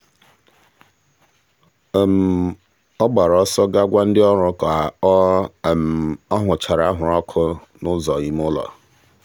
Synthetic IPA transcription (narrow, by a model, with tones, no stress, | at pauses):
m̩˨ | ɔ˦ɡ͡ba˨ɾɔ˦sɔ˦ɡa˦ɡʷa˦n̩˦dɪ˦ɔ˦ɾʊ˦kɔ˨a˨˦˨m˨ɔ˦ɦʊ˨t͡ʃa˨ɾa˨a˦ɦʊ˨ɾɔ˦kʰʊ˦ | nʊ˦zɔ˨i˨m˦ʊ˦lɔ̰˨